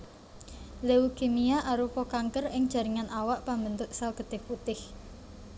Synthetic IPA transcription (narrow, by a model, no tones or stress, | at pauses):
leukemiaʔaɾufɔkaŋkərɪŋd̥ʒ̥ä̤ɾiŋanʔawaʔpambənt̪ʊʔsalɡ̥ə̤d̪̥ɪ̤fut̪ɪh